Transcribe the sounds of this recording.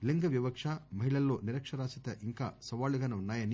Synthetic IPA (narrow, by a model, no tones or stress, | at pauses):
liŋɡɐʋjɐʋɐkʂaːmɐɦiɭɐlːo̞ːniɾɐkʂɐɾaːsit̪ɐʔiŋkaːsɐʋaːluɡaːneunːaːjɐni